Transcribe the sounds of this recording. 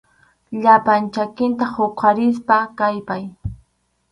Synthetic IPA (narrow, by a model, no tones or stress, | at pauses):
ʎapant͡ʃakɪnt̪ahoqʰaɾɪs̬pakajpaj